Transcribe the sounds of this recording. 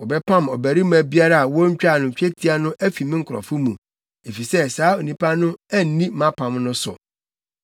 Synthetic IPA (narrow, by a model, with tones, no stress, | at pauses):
wɔ˨bɛ˦pʰã˦˨mɔ˨bæ˨ɾi˦m˦æ̃˨bi˦a˦ɾa˦a˨wɔ˦ɲ̩˦t͡ɕᶣa˦˨nʊ̃˨ɲ˨t͡ɕᶣe˦tʰi˦a˦nʊ̃˦ʔæ˦fi˨mɪ̃˦ŋ̩˨kʰʊ˨ɾɔ̰˨fʊ˦mũ˨ | e˨fi˨sɛ˦saː˨˦o˨nĩ˨pa˦nʊ̃˦æ˦n̩˨nĩ˦mã˦pʰã˨mnʊ̃˦sʊ̰˨